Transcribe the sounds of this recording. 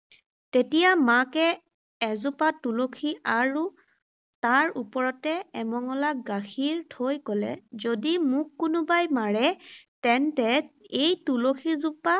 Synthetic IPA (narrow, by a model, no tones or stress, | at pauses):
tetijamakɛ | ɛzupatulokʰiaɹu | taɹupɔɹɔtɛɛmɔŋɔlakɡaxʰiɹtʰojkɔlɛ̰zodimʊkːʊnʊbajmaɹɛtɛntɛejtulokʰizupa